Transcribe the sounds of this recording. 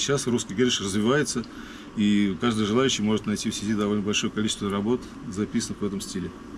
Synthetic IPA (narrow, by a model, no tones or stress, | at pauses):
ɕasruskəjɡʲeɾʲɪʂrəzvʲɪvajɪt̪sə | ikaʐd̪ɨjʐɨlˠajʉɕːɪjmo̞ʐɨt̪nɐjtʲifsʲɪdʲid̪ɐvo̞lʲnəbɐlʲʂo̞jəkɐlʲit͡ɕɪst̪vərɐbo̞t̪ | zɐpʲisənɨxvɛt̪əmsʲtʲilʲɪ